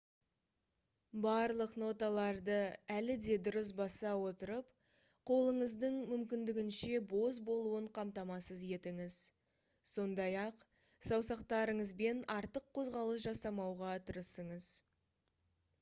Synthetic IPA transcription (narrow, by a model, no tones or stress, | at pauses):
bɑɾlˠəqno̞t̪ɑlˠɑɾd̪əælɪd̪e̞d̪ʊɾəs̬bɑsɑwo̞t̪əɾəp | qʰo̞lˠəɴəzd̪əɴmʏmkʲɪnd̪ɪɡʲɪnʃe̞bo̞zbo̞lˠuəɴqʰɑmt̪ɑmɑsəzje̞t̪ɪŋɪz̥ | so̞nd̪ɑjɑq | sɑwsɑqt̪ɑɾəɴəzbe̞nɑɾt̪əqʰːo̞zʁɑlˠəs̬ʒɑsɑmɑwʁɑt̪ʰʊɾəsəɴəz̥